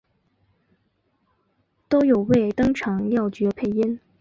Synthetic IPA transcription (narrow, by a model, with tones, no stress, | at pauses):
t̪o˥ʊjo˨˩ʊwe˥˩ɪt̪ɤ˥ŋʈ͡ʂʰɑ˧˥ŋljɑ˥˩ʊt͡ɕɥɛ˧˥pʰe˥˩˧ɪi˥n